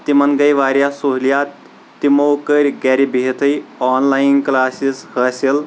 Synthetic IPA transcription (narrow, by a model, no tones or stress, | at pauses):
t̪imɐnɡəjʋaːɾjasoɦlijaːt̪ː | imowkəɾʲɡɛːɾibʱit̪ʰəjɔːnlaːjinklaːsishɐsil